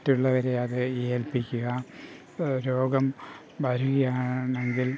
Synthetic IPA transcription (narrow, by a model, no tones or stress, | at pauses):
tːuɭːɐʋɐɾe̞ɐðɨelpikʲːuɣɐ | ɾoːɡɐm | ʋɐɾuɣɐjaːɳːe̞ŋɡil